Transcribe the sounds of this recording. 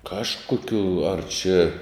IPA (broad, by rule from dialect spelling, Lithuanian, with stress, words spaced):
ˈkɑːʃˌkoːkʲʊ ɐr t͡ʃʲɛ